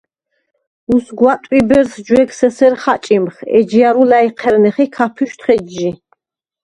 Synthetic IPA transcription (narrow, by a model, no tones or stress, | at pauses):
usɡwat̪ʼwibɛɾsd͡ʒwɛɡsɛsɛɾχat͡ʃʼimχɛ̰d͡ʒiaɾulaiqʰɛɾnɛχikʰapʰuʃt̪ʰχɛd͡ʒːi